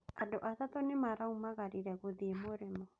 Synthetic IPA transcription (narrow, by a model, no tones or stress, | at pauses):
adɔʔatat̪ɔnɪmaɾaumaɣaɾiɾɛɣoðiemoɾɛmɔ